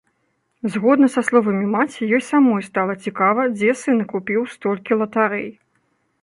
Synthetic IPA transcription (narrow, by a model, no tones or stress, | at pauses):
zɣɔd̪nɐsaslˠɔvɐmʲimat͡sʲijɔjsamɔjst̪alˠɐt͡sʲikavɐd͡zʲɛsɨnkupʲiwst̪ɔlʲkʲilˠɐt̪aɾɛ̰j